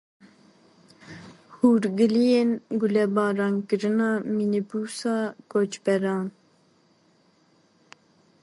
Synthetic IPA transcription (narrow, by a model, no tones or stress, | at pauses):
huːɾɡɨlijeːnɡulɛbɑːɾɑːnkɨɾɨnɑːminibuːsɑːkot͡ʃbɛɾɑːn